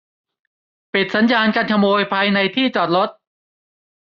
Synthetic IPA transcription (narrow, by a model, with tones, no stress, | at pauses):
pi˨˩t̪̚sa˩˦njaː˧nka˧nkʰa˧moː˧jpʰaː˧jna˧jt̪ʰiː˥˩t͡ɕɔː˨˩t̪̚ɾo˦˥t̪̚